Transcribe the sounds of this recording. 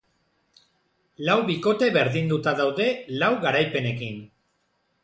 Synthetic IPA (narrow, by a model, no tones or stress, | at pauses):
lawβiko̞t̪e̞βe̞ɾðind̪ut̪aðawðe̞lawɣaɾajpe̞ne̞kin